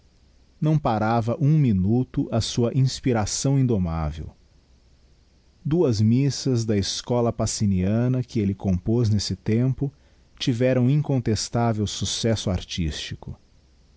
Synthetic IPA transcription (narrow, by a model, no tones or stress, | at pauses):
nɐ̃w̃paɾavɐʔũminut̪ʊʔɐsuɐʔĩspiɾasɐ̃w̃ĩd̪oma̰vḛw | d̪uɐzmisɐzd̪ɐeskɔlɐpasiniɐ̃nɐkɪelɪkõmpoznesɪt̪ẽmpʊ | t͡ʃivɛɾɐ̃w̃ĩŋkõnt̪est̪avewsusɛsʊa̰ɾt͡ʃḭst͡ʃikʊ